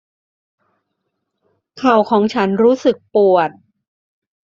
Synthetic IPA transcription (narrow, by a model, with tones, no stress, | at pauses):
kʰa˨˩wkʰɔː˩˦ŋt͡ɕʰa˦˥nɾuː˦˥sɯ˨˩k̚pu˨˩ət̪̚